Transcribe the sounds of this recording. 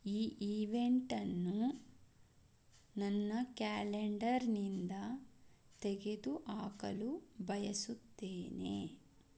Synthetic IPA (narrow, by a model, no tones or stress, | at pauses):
iːʔiːʋeɳʈɐnːu | nɐnːɐkaːleɳɖɐɾnind̪ɐ | t̪ɛɡe̞d̪uʔaːkɐlubʱɐjɐsut̪ːeːnḛ